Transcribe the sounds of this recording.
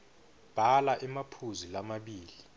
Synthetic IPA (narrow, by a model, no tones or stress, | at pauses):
b̥ʱalaʔɛmapʰuzilamaɓiːli